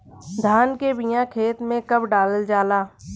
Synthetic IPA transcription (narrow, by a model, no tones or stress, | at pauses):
d̪ʱaːnkebijãkʰeːt̪mẽkəbɖaːləld͡ʒaːlaː